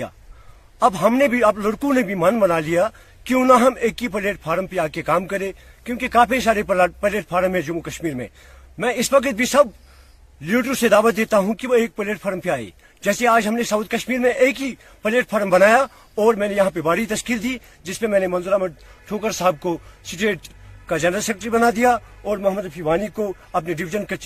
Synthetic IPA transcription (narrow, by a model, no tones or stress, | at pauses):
a̰ː | ɐbɦɐmnebʱiɐblʊɽkũnebʱimɐnbɐnalija | kiʊnãɦɐmeːkipɐleːʈ̚pʰaːɾəmpeaːkekaːmkɐɾẽkjõːkikãːpʰis̬aːɾeppɐleːʈ̚pʰaːɾmɦɛ̃d͡ʒʊmukɐʃmiːɾmḛ̃ː | mɛ̃ːɪsʋɐkət̪̚bʱisɐb | liːʈ̬ũsed̪aːʋət̪̚d̪eːt̪aɦũkiʋoeːk̚pɐleːʈfʰɐːɾmpʰeaːḛː | d͡ʒɛːseaːd͡ʒɦɐmnesɐʊːt̪̚kɐʃmiːɾmẽʔeːkɦi | pɐleːʈpʰaːɾmbɐnaːja | ɔːɾmɛ̃ːnejɐɦãpebaːɽit̪ɐʃkiːld̪iː | d͡ʒɪspemɛ̃ːnemɐ̃nzʊɾaːməʈ | ʈʰoːkəɾsaɦb̚kosɪʈeːʈkad͡ʒɛːnɾəlsɛk̚ʈɾibɐnad̪ijaɔːɾmɐɦməd̪ɐpʰiʋaːniko | ɐpneɖɪʋɪd͡ʒənkɐ